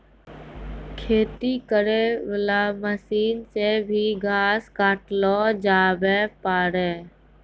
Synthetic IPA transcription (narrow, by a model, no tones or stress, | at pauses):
kʰeːt̪ikəɾeʋəlaːməsiːnsebʱiɡʱaːskaːʈlɔːd͡ʒaːbepaːɾeː